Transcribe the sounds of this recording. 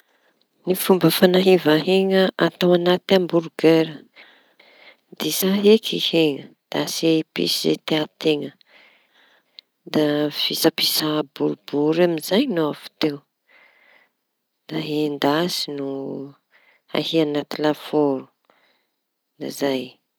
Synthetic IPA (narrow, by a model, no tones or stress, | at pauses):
nifumbəfanaɦevaɦeŋəʔat̪awanat̪ambuɾuɡeɾə | d̪isaɦekʰiheŋə | d̪̥asepḭsizḛt̪eat̪eŋə | d̪afisapisabuɾubuɾamizajnoafu̥t̪ew | d̪̥aɦend̪asinu | a̰hianat̪ilafoɾu̥ | nazaj